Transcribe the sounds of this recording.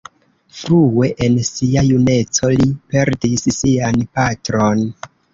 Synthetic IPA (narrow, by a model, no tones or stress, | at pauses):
fɾuwe̞ʔensiajune̞t͡so̞lipe̞ɾdissianpatɾo̞n